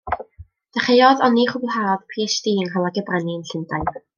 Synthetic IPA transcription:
d̥aχejɔðɔniχʊbɛhaɔðpʰisd̥iːəŋɦɔlˠaɡɛbraniənɬɪndaj

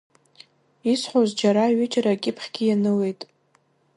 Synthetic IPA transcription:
isħʷozd͡ʒaɾaɥɪt͡ʃʼɾakʲʼɪpʰχʲɡʲɪjanɨle̞jtʼ

